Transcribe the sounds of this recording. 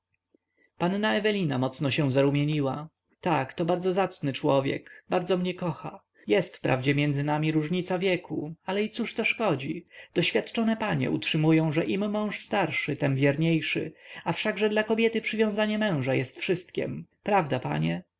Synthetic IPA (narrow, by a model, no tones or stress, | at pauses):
panːaɛvɛlʲinamɔt̪snɔɕɛw̃zaɾumʲjeɲiwa | t̪akt̪ɔbaɾd̪zɔzat̪snɘt͡ʂwɔvʲjɛ̰kbaɾd̪zɔmɲɛkɔxa̰ | jɛst̪fpɾa̰vd͡ʑɛmʲjɛnd̪zɘnamʲiɾuʐɲit̪savʲjɛkʰualɛit̪suʂt̪ɔʂkɔd͡ʑid̪̥ɔɕfʲjat̪t͡ʂɔnɛpaɲɛ̰ʔṵtʂɘmujɔ̃w̃ʐɛʔimːɔ̃w̃ʂst̪aɾʂɘt̪ɛmvʲjɛɾɲejʂɘ̰afʂaɡʐɛd̪lakɔbʲjɛt̪ɘpʂɘvʲjɔ̃w̃zaɲɛmɛ̃w̃ʐajɛst̪fʂɘst̪kʲɛ̰mpɾavd̪apa̰ɲɛ